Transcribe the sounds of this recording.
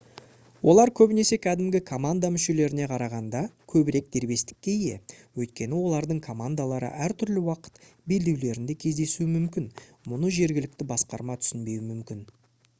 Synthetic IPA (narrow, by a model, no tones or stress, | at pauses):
wo̞lˠɑɾkʲʰɵbɪne̞se̞kʲʰæd̪ɪmɡʲɪkʰo̞mand̪amʏʃe̞le̞ɾɪne̞qʰɑɾɑʁɑnd̪ɑkʲʰɵbɪɾe̞k̚d̪e̞ɾbe̞st̪ɪ̥kʲːe̞ije̞̰wɵjt̪̚kʲe̞nɪwo̞lˠɑɾd̪əɴkʰo̞mand̪alˠɑɾə̰ʔæɾt̪ʰʏɾlɪwɑqə̥t̪be̞ld̪e̞wle̞ɾɪnd̪e̞kʲʰe̞zd̪e̞suɪmʏmkʲɪnmʊnəʒe̞ɾɡʲɪlɪk̚t̪ɪbɑsqɑɾmɑt̪ʰʏ̥sɪnbe̞jwɪmʏmkʲɪn